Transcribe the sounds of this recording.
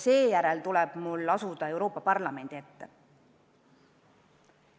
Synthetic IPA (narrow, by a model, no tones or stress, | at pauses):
se̞ːjæɾɛlt̪ulɛb̥mulːɑsud̪̥ɑe̞wɾo̞ːpːˑɑpɑrlɑme̞nd̪ie̞t̪ːe